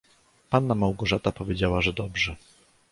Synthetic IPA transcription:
panːamawɡɔʐat̪apɔvʲjed͡ʑawaʐɛd̪ɔbʐɛ

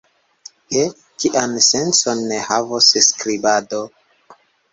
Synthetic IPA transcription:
he | kiʔansent͡sonːehavosskɾibado

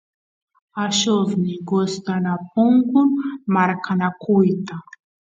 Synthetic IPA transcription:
aʃovniɡɔst̪anapũŋɡunmaɾkʰanakujt̪a

